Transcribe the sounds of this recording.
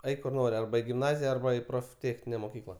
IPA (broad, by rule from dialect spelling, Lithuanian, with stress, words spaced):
ˈɛɪk kʊr ˈnoːrʲɪ ˈɐrbɐ ɪ ɡʲɪmˈnɑːzʲɪjɛ ˈɐrbɐ ɪ proːfʲˈtʲeːxʲnʲɪnʲɛ moːˈkʲiːklˠɐ